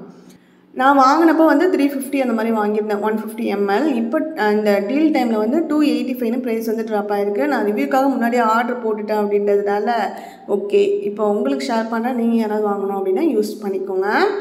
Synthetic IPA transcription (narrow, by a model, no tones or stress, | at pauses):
nãːʋaːŋɡɐɳɐpːoːʋɐnd̪ɯt̪ɾiːfɪfʈiɐnd̪ɐmaːd̪ɾiʋaːŋɡɪɾɐnɛ̃ʋɐnfɪfʈiɛmɛlɪpːoɪnd̪ɐɖiːlʈɐɪmlɐʋɐnd̪ɯʈuːeɪʈːifɐɪnɯpɾɐɪsʋɐnd̪ɯʈːɾaːpːaːɪɾɯkːɯnãːʋɪʋiːɾkːaːɣɐmʊnːaːɽiaːɾɖɐɾpoːʈːɯʈːɐ̃ːɐpːɐɽɪnːɐðɯnaːlɐ | oːkːeːɪpːoʊŋɡɐɭɯkːɯʂaːɾpɐɳɾaːniːŋɡɐeːɾaːʋðɯʋaːŋɡɐɳõːɐpɐɽɪnːãːjuːspɐɳːɪkːoŋɡɐ